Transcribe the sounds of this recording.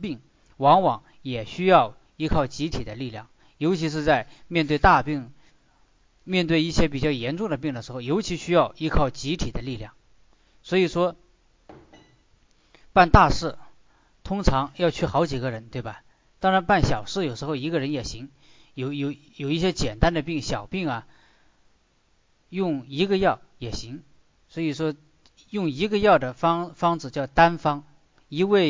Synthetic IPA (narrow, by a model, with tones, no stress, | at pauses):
pi˥˩ŋ | wɑ˧˥ŋwɑ˧˥ŋ | jɛ˨˩ɕy˥jɑ˥˩ʊ | i˥kʰɑ˥˩ʊt͡ɕi˧˥t̪ʰi˨˩d̪ə˦li˥˧ljɑ̰˥˩ŋ | jo˧˥ʊt͡ɕʰi˧˥ʂ̬ɻ̩˥˧t͡sa˥˧ɪmjɛ˥˧nt̪we˥˧ɪt̪a˥˧pi˥˩ŋ | mjɛ˥˧nt̪we˥˧ɪi˥˩ɕjɛ˥p̬i˨˩t͡ɕjɑ˥˩ʊjɛ˧˥nʈ͡ʂʊ˥˩ŋd̪ə˩p̬i˥˩ŋd̪ə˩ʂɻ̩˧˥xo˥˩ʊjo˧˥ʊt͡ɕʰi˧˥ɕy˥jɑ˥˩ʊi˧˥kʰɑ˥˩ʊt͡ɕi˧˥t̪ʰi˨˩d̪ə˦li˥˧ljɑ˥˩ŋ | swɔ˧˥i˨˩ʂwɔ˥ | pa˥˧nt̪a˥˧ʂɻ̩˥˩ | t̪ʰʊ˥ŋt͡sʰɑ˧˥ŋjɑ˥˧ʊt͡ɕʰy˥˩xɑ˧˥ʊt͡ɕi˨˩ɡə˦ɻə˧˥nt̪we˥˩ɪbɐ˩ | t̪ɑ˥ŋɻa˧˥npa˥˩nɕjɑ˨˩ʊʂɻ̩˥˩jo˨˩ʊʂɻ̩˧˥xo˥˧ʊi˧˥ɡə˧ɻə˧˥njɛ˨˩ɕi˧˥ŋ | jo˧˩ʊjo˧˥ʊ | jo˨˩ʊi˥˩ɕjɛ˥t͡ɕjɛ˨˩nt̪a˥nd̪ə˨pi˥˩ŋɕjɑ˨˩ʊpi˥˩ŋɐ˩ | jʊ˥˩ŋi˧˥ɡə˧jɑ˥˩ʊjɛ˨˩ɕi˧˥ŋ | swɔ˧˥i˨˩ʂwɔ˥ | jʊ˥˩ŋi˧˥ɡə˧jɑ˥˩ʊd̪ə˩fɑ˥ŋfɑ˥ŋd͡zɹ̩˨˧t͡ɕjɑ˥˩ʊt̪a˥nfɑ˥ŋ | i˧˥we˥˩ɪ